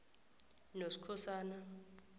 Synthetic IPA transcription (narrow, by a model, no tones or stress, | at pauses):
nosi̥kʰɔsaːna